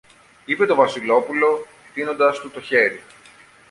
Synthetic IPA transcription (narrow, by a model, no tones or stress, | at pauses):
ipe̞t̪o̞vɐsilo̞pulo̞ | t̪ino̞nd̪ɐst̪ut̪o̞çe̞ɾi